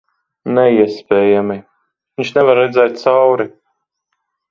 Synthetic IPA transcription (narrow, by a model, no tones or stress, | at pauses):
nɛiɛspʲɛːjami | viɲʲt͡ʃnɛvaɾːɛd̪zɛːt̪̚t̪sawɾi